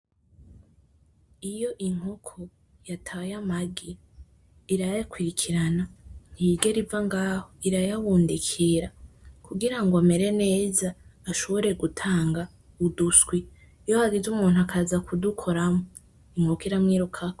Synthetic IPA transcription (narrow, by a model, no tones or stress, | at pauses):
ijo̞ʔiŋ̥okʰo | jatʰajamaɡi | iɾajakwiɾikʰiɾanan̥hiɡe̞ɾivaŋɡaːhoiɾajawuːndikʰiɾakuɡiɾaŋɡoame̞ɾe̞ne̞ːzaːʃo̞βoɾe̞ɡutʰaːŋɡa | udusɡwi | johaɡizumuːnuakʰazakudukʰo̞ɾamo | iŋ̥hokiɾamŋiːɾukʰako